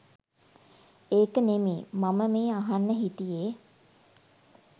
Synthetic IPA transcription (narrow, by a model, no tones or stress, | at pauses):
eːkənemiːmaməmeːaɦanːəɦit̪ijeː